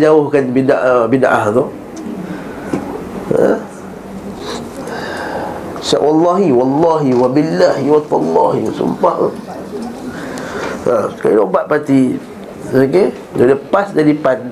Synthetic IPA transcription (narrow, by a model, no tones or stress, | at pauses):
d͡ʒaʊhkanbidaʔbidaʔaht̪o | a | sa̰ʔwɑlːɑɦiwɑlːɑɦiwabilːahiwat̪alːɑhisṵmpaʔt̪o | ḁkailobaʔ̪̚pat̪i | oke | dadəpasdadipan